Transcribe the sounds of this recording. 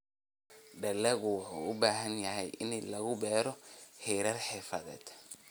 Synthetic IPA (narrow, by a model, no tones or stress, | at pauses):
ɖɐlːɛɣʊwʊħuːʊbaːɦɐnjɐɦɛjʔɪnlɐɣʊbɛːɾɔhɛːɾɐrħɛːfɐðɛ̰ːd̪